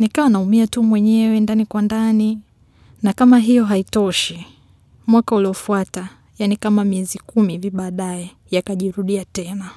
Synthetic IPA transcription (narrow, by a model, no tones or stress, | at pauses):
nikawanaumiatumwɛɲɛwɛndanikwandani | nakamaɦijɔɦaitɔʃi | mwakauliɔfuata | janikamamiɛzikumiviɓaːɗajɛ | jakaʄiɾuɗiatɛna